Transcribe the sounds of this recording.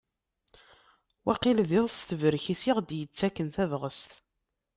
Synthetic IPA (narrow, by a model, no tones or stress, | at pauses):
wʔæqɪlðɪðˤst̪əvəɾçisiʁd̪jət͡sːækːənθævʁəst̪